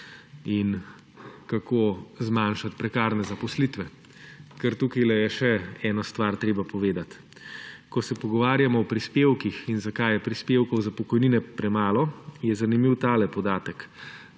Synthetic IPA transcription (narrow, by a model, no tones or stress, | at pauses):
in | kakoːzmanʃat̪pɾɛkaːɾnɛzapɔslit̪ʋɛ | kɛɾt̪ukajlɛjɛʃɛɛːnast̪ʋaɾt̪ɾeːbapɔʋeːd̪at̪ | kɔsɛpɔɡɔʋaːɾjamɔɔpɾispeːwkixinzakajɛpɾispeːwkɔwzapɔkɔjniːnɛpɾɛmaːlɔjɛzanimiwt̪aːlɛpɔd̪aːt̪ɛk